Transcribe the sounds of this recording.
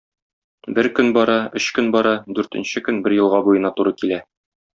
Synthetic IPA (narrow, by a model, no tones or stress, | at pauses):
bɘɾkɵnbɒɾɑɵɕkɵnbɒɾɑd̪ʉɾt̪ɘ̆nɕɘkɵnbɘɾjɤ̆lˠʁɑbujɤ̆nɑt̪uɾɤkilæ